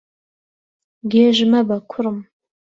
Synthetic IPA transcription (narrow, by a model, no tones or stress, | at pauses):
ɡʲeːʒɪmɐbɐkʷʰʊrɨm